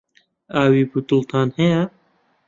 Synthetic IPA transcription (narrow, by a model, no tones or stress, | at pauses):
aːwiːbut̪ult̪ʰaːnheja